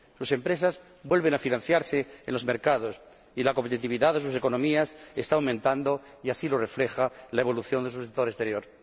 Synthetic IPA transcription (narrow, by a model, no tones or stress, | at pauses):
suse̞mpɾe̞saz | bwe̞lβe̞nafinãnθjaɾseenlo̞zme̞ɾkað̞o̞s | ilakompet̪it̪iβiðaðes̬use̞ko̞nõ̞miasest̪awmẽnt̪and̪o̞ | iasilo̞re̞fle̞xalae̞βo̞luθjo̞nd̪e̞s̬usekt̪o̞ɾest̪e̞ɾjo̞ɾ